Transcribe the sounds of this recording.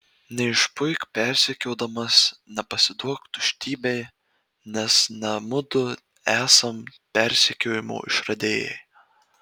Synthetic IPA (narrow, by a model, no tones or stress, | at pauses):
nʲɛɪʃpʊɪkpʲɛɾʲsʲɛkʲoʊd̪ɐmɐsnʲɛpɐsʲɪd̪uɔkt̪ʊʃʲt̪ʲiːbʲɛɪ | nʲɛsnʲɛmʊd̪ʊ | æːsɐmpʲɛɾʲsʲɛkʲoːjɪmo̰ːɪ̰ʃɾɐd̪ʲeːjɛ̰j